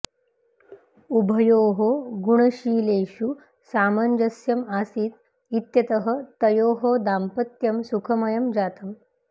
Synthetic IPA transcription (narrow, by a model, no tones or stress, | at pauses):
ubʱɐjoːɦoɡuɳ̃ɐɕiːleːɕu | saːmɐnd͡ʒɐsjɐmasiːt̪̚ | it̪jɐt̪ɐɦət̪ɐjoːɦod̪ampɐt̪jɐmsukʰɐmɐjɐmd͡ʑaːt̪ɐm